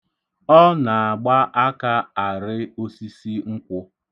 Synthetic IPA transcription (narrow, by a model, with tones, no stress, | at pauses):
ɔ˦na˨a˨ɡ͡ba˦ʔa˦ka˦a˨ɾɪ˦o˦si˦si˦ŋ̩˦kʷʊ˦